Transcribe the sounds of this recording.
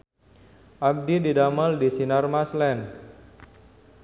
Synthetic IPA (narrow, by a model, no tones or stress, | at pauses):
ʔab̚dididamaldisinarmaslɛn